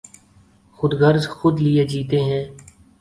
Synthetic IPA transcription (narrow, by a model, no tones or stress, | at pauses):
xʊd̪ɡəɾzxʊd̪lied͡ʒiːt̪eːɦɛ̃ː